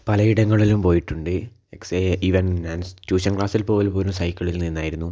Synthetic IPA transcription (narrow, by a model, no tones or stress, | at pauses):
pɐlɐiɽɐŋːɐɭilumpo̞ːjiʈːuɳɖɨ | ekseiʋɐnnaːnst͡ɕuːɕɐnkɭaːsilpo̞ːlpoːlumsɐjkʲːɐɭilninːaːjiɾunːu